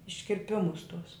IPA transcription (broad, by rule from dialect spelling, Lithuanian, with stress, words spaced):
ɪʃʲkʲɪrʲˈpʲɪmʊs tʊs